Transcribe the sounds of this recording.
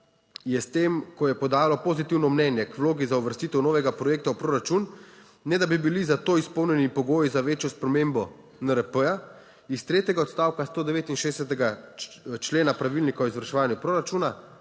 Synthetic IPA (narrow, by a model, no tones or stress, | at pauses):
jɛst̪eːmkɔjɛpɔd̪aːlɔpozit̪iwnɔmnɛnjɛkwloːɡizauʋəɾst̪iːt̪ɛwnoːʋɛɡapɾɔjeːk̚t̪awpɾoːɾat͡ʃunː | ɛd̪abibilizat̪oːispɔwnjɛnipɔɡoːjizaʋeːt͡ʃjɔspɾɛmeːmbɔ | nəɾəpəja | ist̪ɾeːt̪jɛɡaɔt̪st̪aːwkast̪oːd̪ɛʋeːt̪inʃeːɛsɛt̪ɛɡa | t͡ʃleːnapɾaʋilnikaɔizʋəɾʃɛʋaːnjupɾoːɾat͡ʃuːna